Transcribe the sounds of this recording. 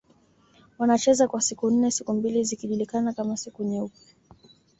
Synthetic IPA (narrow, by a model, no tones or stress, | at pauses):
wanat͡ʃɛzakwasikun̩nɛsikumbilizikiʄulikanakamasikuɲɛupa